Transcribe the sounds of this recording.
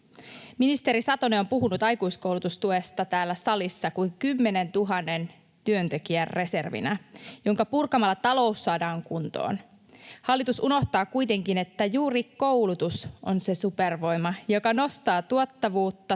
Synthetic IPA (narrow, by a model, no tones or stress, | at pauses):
minist̪e̞ɾisɑt̪oneo̞mpuɦunut̪ɑjkujskowlut̪ust̪uest̪ɑt̪æːlːæsɑlisːɑkuiŋkymːe̞ne̞nt̪uɦɑnːe̞n | t̪yø̞nt̪e̞kiærrʔe̞se̞rʋḭnæjo̞ŋkɑpurkɑmɑlːɑt̪ɑlo̞usːɑːdɑːŋkunt̪o̰ːn | hɑlːit̪usuno̞ht̪ɑːkujt̪e̞ŋkine̞t̪ːæjuːriko̞wlut̪usʔo̞nse̞superʋo̞jmɑjo̞kɑno̞st̪ɑːt̪uot̪ːɑʋuːt̪ːɑ